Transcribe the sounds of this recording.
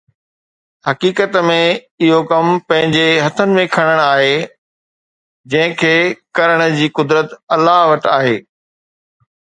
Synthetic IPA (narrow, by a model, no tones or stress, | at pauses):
hɐkiːkət̪mẽ | ɪɦokɐmpɐ̃ɦɪ̃ɲd͡ʑeɦɐt̪ʰənɪ̆mẽkʰɐɽ̃əɽ̃aːɦe | d͡ʑɐ̃ɦɪ̃kʰeːkɐɾəɽ̃ə̆d͡ʑiːkʊd̪ɾət̪ɐlaɦʋɐʈaːɦeː